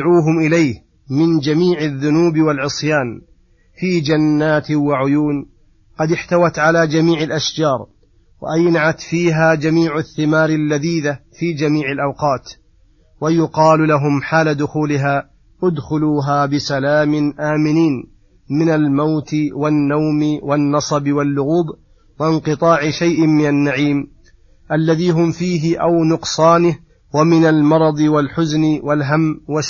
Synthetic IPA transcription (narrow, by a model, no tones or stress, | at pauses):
ʕuːɦʊmʔɪlajh | mɪnd͡ʒamiːʕaðːʊnuːbɪwalʕɨsˤjaːn | fiːd͡ʒanːaːt̪ɪwaʕʊjuːn | qɑd̪ɪħt̪awat̪ʕalaːd͡ʒamiːʕɪlʔaʃd͡ʒɑːɾˤ | wa̰ʔajnaʕat̪fiːɦaːd͡ʒamiːʕʊθːɪmaːɾɪlːaðiːðafiːd͡ʒamiːʕɪlʔawqɑːt̪ | wajʊqɑːllaɦʊmħaːlad̪ʊxuːlɪɦaː | ʔʊd̪xʊluːɦaːbɪsalaːmɪnʔaːmɪniːn | mɪnalmawt̪ɪwanːawmɪwanːɑsˤɑbɪwalːʊɣuːb | waɪnqɨt̪ˤɑːʕɪʃajʔɪmɪnanːaʕiːm | ʔalːaðiːɦʊmfiːɦɪʔawnʊqsˤɑːnɪh | wamɪnalmɑɾˤɑd̪ˤɨwalħʊznɪwalɦamːwas